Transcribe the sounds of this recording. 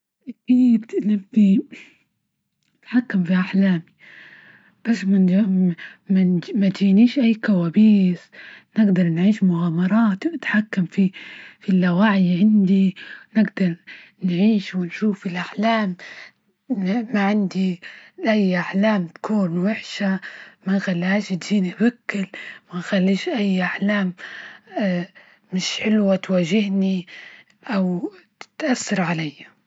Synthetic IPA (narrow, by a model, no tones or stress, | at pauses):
ʔakiːd̪nɪti | ɪt̪ħakːamfiʔaħlaːmi | b̥asma | manmad͡ʒiːniːʃʔajːkawaːbiːsnɪɡd̪ɑɾˤnʕiːʃmʊɣaːmɑɾˤɑːt̪nɪt̪ħakːamfifilːawaːʕjʕɪnd̪inɪɡd̪ɑɾˤnʕiːʃwɪnʃuːfilʔaħlaːm | maʕɪnd̪iʔajːʔaħlaːmt̪ḁkʰuːnwɪħʃamaxalːaːʃt̪d͡ʒiːnibakːɪlmaxalːiːʃʔajːʔaħlaːm | ɪʃħɪlwat̪waːʒɪhni | ʔaw | ɪt̪ʔasːɑɾˤʕalajːa